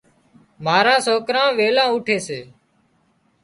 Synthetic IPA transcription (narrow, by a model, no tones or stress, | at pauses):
maːɾãːsoːkɾãːʋeːlãːʊːʈʰeːseː